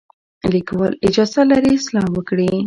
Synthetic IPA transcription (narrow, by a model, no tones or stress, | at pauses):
likwɑlɪd͡ʒɑzalaɾislɑwəkɽi